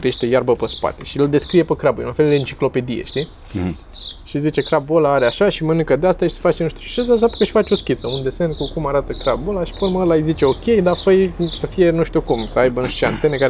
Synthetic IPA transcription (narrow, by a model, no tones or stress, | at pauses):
k̪ɾejeʃt̪ejarbəpəspa̰t̪e̞ʃiɨld̪e̞skɾije̞pəkɾabujlunfe̞ld̪eɨnt͡ʃi̥klo̞pe̞d̪ijḛʃt̪i | ʃizit͡ʃe̞kɾabolaaɾeaʃaʃimənɨŋkəd̪east̪aʃi̥sə̥fat͡ʃenuʃt̪uʃi̥t͡ʃesd̪as̬apt̪u̥kəʃi̥fat͡ʃo̞skʲit̪səund̪esenkukumaɾat̪əkɾabolaʃi̥ponməlajzit͡ʃe̞o̞kʲe̞jd̪apəjsəfije̞nuʃt̪ukumsəajbənuʃut͡ʃea̰nt̪e̞nekaɾe